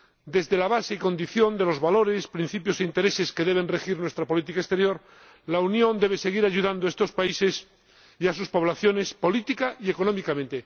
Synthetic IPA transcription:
d̪e̞zðe̞laβ̞ase̞iko̞nd̪iθjo̞nd̪e̞lo̞zβalo̞ɾe̞spɾin̟θipjo̞seint̪e̞ɾe̞se̞ske̞ðe̞β̞e̞nre̞xiɾnwe̞st̪ɾapo̞lit̪̬ikaest̪e̞ɾjo̞ɾ | launjõ̞nd̪eβe̞se̞ɣ̞iɾaʝuðand̪oaest̪o̞spaise̞s | iasuspo̞βlaθjo̞ne̞spo̞lit̪ikaʔie̞ko̞nõ̞mikamẽ̞nt̪e̞

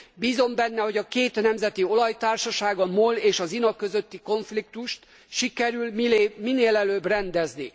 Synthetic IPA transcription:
biːzo̞mbɛnːɛho̞ɟɒkeːt̪nɛmzɛt̪io̞lɒjt̪aːrʃɒʃaːɡɒmoleːʃɒzinɒkːø̞zø̞t̪ːiko̞ɱflik̚t̪uʃt̪ | ʃikɛɾylminːeːlɛløːbrɛnd̪ɛzni

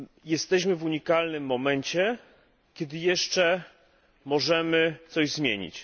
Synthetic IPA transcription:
jɛst̪ɛɕ̬mɘvuɲikalnɘmːɔmɛɲt͡ɕɛ | kʲɛd̪ɘjɛʂt͡ʂɛ | mɔʐɛmɘt̪sɔʑzmʲjeɲḭt͡ɕ

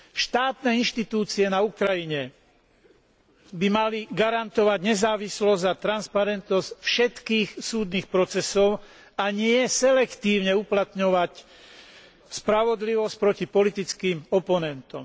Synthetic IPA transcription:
ʃt̪aːt̪nɛːinʃt̪it̪uːt͡siɛnaukɾajiɲɛ | bimaliɡaɾant̪ɔʋaɟɲɛzaːʋislɔzat̪ɾanspaɾɛnt̪nɔscfʃɛt̪kiːxsuːd̪niːxpɾɔt͡sɛsɔʊ | aɲɪɛsɛlɛkt̪iːʊɲɛuplat̪ɲɔʋac | spɾaʋɔd̪liʋɔsc̚pɾɔcipɔlit̪it͡skiːmɔpɔnɛnt̪ɔ̰m

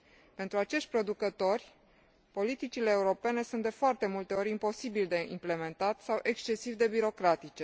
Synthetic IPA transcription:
pe̞nt̪ɾuat͡ʃe̞ʃt̪̚ʲpɾo̞d̪ukət̪o̞rʲ | po̞lit̪it͡ʃile̞ːuɾo̞pe̞ne̞sunt̪d̪efoart̪e̞mult̪e̞o̞ɾʲimpo̞sibild̪e̞imple̞me̞nt̪at̪ʲsawʔe̞kst͡ʃe̞sivd̪e̞biɾo̞kɾat̪it͡ʃe

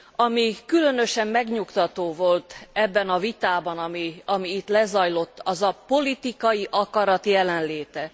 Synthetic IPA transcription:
ɒmikylø̞nø̞ʃɛmːɛɡɲukt̪ɒt̪oːvo̞lt̪ɛbːɛnɒvit̪aːbɒnɒmiɒmiːt̪lɛzɒjlo̞t̪ːɒzɒpo̞lit̪ikɒjiʔɒkɒɾɒt̪jɛlɛnleːt̪ɛ

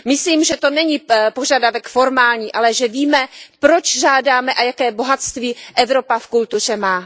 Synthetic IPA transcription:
mɪsliːmʒɛt̪o̞nɛɲipoʒadavɛkfo̞ɾmaːlɲiːʔalɛʒɛviːmɛpɾo̞t͡ʃʒaːdaːmɛʔajakɛːbo̞ɦat̪st̪viːʔɛvɾo̞pafkult̪ur̝ɛmaː

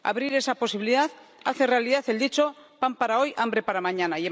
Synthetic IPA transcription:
a̰βɾiɾe̞sapo̞siβiliðaθ | aθe̞re̞aliðaθe̞ld̪it͡ʃo̞ | pampaɾao̞jʔambɾe̞paɾamãɲãnaje

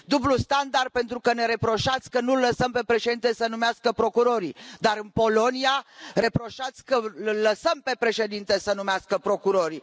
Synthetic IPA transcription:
d̪ublust̪and̪ar̚pe̞nt̪ɾukəne̞ɾe̞pɾo̞ʃat̪sʲkənulːəsəmpe̞pɾe̞ʃed̪int̪esənumeaskəpɾo̞kuɾo̞ɾid̪aɾɨnpo̞lo̞niare̞pɾo̞ʃat̪sʲkəlːəsəmpe̞pɾe̞ʃe̞d̪int̪esənumeaskəpɾo̞kuɾo̞ɾi

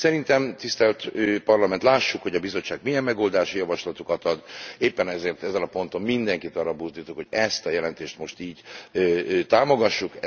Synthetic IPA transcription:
sɛɾint̪ɛmt̪ist̪ɛlt̪ːpɒrlɒmɛnt̪laːʃːukho̞ɟɒbizo̞t͡ʃːaːɡmijɛmːɛɡoːld̪aːʃijɒvɒʃlɒt̪ukɒt̪ɒd̪eːpːɛnɛzeːrt̪ɛzɛnɒpo̞nt̪o̞mmind̪ɛŋkit̪ɒrɒbuzd̪iːt̪okho̞ɟɛst̪ɒjɛlɛnt̪eːʃt̪mo̞ʃt̪iːɟ | t̪aːmo̞ɡɒʃːuk

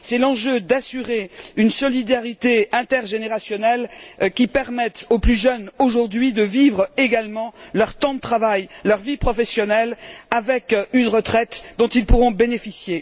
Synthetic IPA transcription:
sɛlɑ̃ʒød̪asyʁeynsɔlid̪aʁit̪eɛ̃t̪ɛʁʒeneʁasjɔnɛlkʲipɛʁmɛt̪oplyʒœnoʒuʁd̪ɥid̪əvivʁeɡalmɑ̃lœʁt̪ɑ̃d̪ət̪χavajlœʁvipχɔfɛsjɔnɛlavɛkynʁət̪χɛt̪d̪ɔ̃t̪ilpuʁɔ̃benefisje

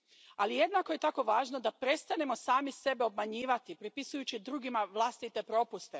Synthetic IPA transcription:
alije̞d̪nako̞je̞t̪ako̞ʋaːʒnod̪apɾe̞tst̪anemo̞saːmise̞be̞o̞b̚maɲiːʋat̪ipɾipisujut͡ɕid̪ɾuːɡimaʋlˠast̪it̪e̞pɾo̞pust̪e

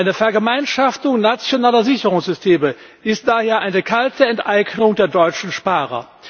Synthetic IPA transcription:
aɪnəfɛɐɡəmaɪnʃaftʊŋnat͡sjonaːlɐzɪçəʁʊŋsz̥ʏstʰeːmə | ʔɪst̚d̥aːheːɐʔaɪnəkʰaltʰəɛntʔaɪɡnʊŋdeːɐdɔʏt͡ʃn̩ʃpaːʁɐ̰

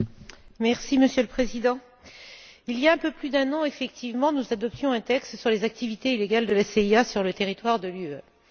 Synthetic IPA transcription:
mɛʁsiməsjøləpχezid̪ɑ̃ | iliaɛ̃pøplyd̪ɛ̃nɑ̃efɛk̚t̪ʰivmɑ̃nuzad̪ɔp̚t̪jɔ̃ɛ̃t̪ɛkst̪syʁlezak̚t̪ivit̪eileɡald̪əlaseiasyʁlət̪eʁit̪waʁd̪əlyø

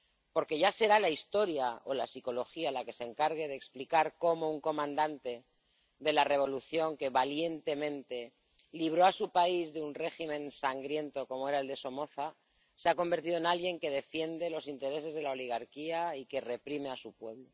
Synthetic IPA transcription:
po̞ɾke̞ʝase̞ɾalaist̪o̞ɾjao̞lasiko̞lo̞xialake̞se̞ŋkaɾɣe̞ðeksplikaɾko̞mo̞uŋko̞mãnd̪ant̪e̞ | ðe̞lare̞β̞o̞luθjo̞ŋke̞βalje̞nt̪e̞mẽ̞nt̪e̞ | liβ̞ɾoasupaizðeunre̞ximẽ̞nsaŋɡɾje̞nt̪o̞ko̞moe̞ɾae̞ld̪eso̞mo̞θa | seako̞mbe̞ɾt̪iðoenalɣje̞ŋke̞ð̞e̞fje̞nd̪e̞lo̞sint̪e̞ɾe̞se̞zð̞e̞lao̞liɣ̞aɾkiaike̞re̞pɾime̞asupwe̞βlo̞

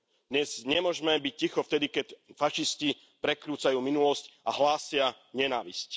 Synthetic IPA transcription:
d̪ɲɛz̥ɲɛmʊɔʒmɛbic̚cixɔft̪ɛd̪ikɛcfaʃisci | pɾɛkɾuːt͡sajuːminulɔscʔa̰ɦlaːsɪa | ɲɛnaːʋḭsc

